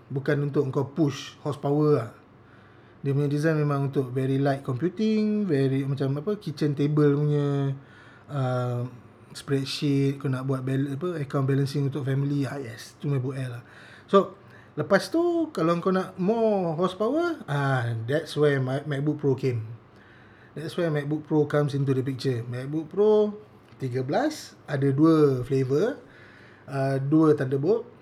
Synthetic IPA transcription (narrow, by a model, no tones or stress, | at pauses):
bukanunt̪ʊʔəŋkawpuʃhɔspawəah | diəp̬uɲədizajnmẽmãŋunt̪ʊʔvɛɾilajt̪̚kɔmpjut̪iŋvɛɾimat͡ʃamapəkit͡ʃənt̪ebəlpuɲə | əm | spɾɛt̪̚ʃit̪̚kanaʔbuat̪̚bɛlapəəkaw̃nbɛlənsɪŋunt̪ʊʔ̚fɛmiliajɛst̪umabuʔɛlah | so | ləpast̪ukaloəŋkonaʔmɔɦɔspawəãdɛtswɛmmɛk̚buk̚pɾokẽm | dɛtswɛmɛk̚buk̚pɾokamsint̪̬udəp̬ik̚t͡ʃəmɛk̚buk̚pɾo | t̪iɡəblas | adəduəflevə | əduət̪andəbuʔ̚